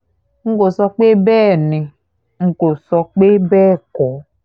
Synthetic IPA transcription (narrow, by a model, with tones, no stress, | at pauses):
ŋ̩˦ko˨sɔ˧k͡pe˦bɛː˦˨nĩ˨ | ŋ̩˨ko˨sɔ˧k͡pe˦bɛː˦˨kɔ˨